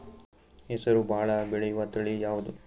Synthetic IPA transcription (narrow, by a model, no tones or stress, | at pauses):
hɛsɐɾubʱaːɭɐbɛɭejuʋat̪ɐɭijaːʋud̪u